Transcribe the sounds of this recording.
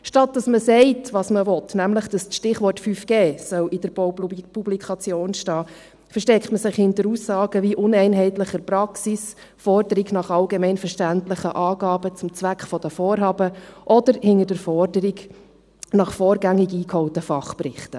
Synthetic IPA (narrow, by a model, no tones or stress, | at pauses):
ʃtɑt̚d̥ɑsməsɛɪtʋɑːsməʋɔtnæmləχd̥ɑsʃtɪχʋɔtfyfɡ̥eːsœwid̥əɾpublikʰɑt͡sjoːnʃtɑː | fəɾʃtɛktməsɪχhɪntəɾuːsɑːɡ̥əʋiʔʊnɛɪnɦɛɪtləχəɾpɾɑksis | fɔrdəɾiɡnɑχɑlɡemɛɪnfəɾʃtæntləχəʔɑːɡɑːbət͡sʊmt͡sʋækχfɔd̥əfɔːɾɦɑːbəʔɔd̥əɾhɪnədəɾfɔrdəɾiɡ | nɑχfɔːɾɡæŋɪɡiːkhɔʊtəfɑχprɪχtə